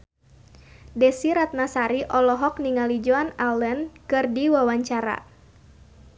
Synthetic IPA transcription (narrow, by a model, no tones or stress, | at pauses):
dɛsiɾat̪̚nasaɾiʔɔlɔɦɔk̚niŋalid͡ʒoanalənkɨrdiwawaɲt͡ʃaɾa̰